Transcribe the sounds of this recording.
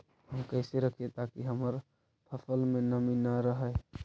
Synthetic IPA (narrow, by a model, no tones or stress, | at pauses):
ɦəmkəɦseɾəkʰet̪akiɦəməɾ | p̪ʰəfʰəlmẽnəminaɾəɦɛ